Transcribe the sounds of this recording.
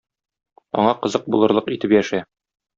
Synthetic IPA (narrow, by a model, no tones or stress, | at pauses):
ɒ̰ɴɑqɤ̆zɤq̚bulˠɤ̆ɾlˠɤqit̪ɘpjæʃæ